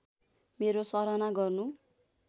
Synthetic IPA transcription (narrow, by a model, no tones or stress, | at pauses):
meɾosʌɾanaɡʌrnu